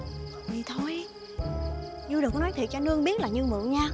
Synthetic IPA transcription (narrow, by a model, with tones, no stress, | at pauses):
i˨˩t̪ʰo˧j | ɲu˧ɗə˨˩kːnɔ˨˦t̪ʰi˨˩k̚t͡ɕa˧nɨ˧əŋɓi˦˥ət̚laː˨˩ɲɨ˧mɨ̰˧˨ɲaː˧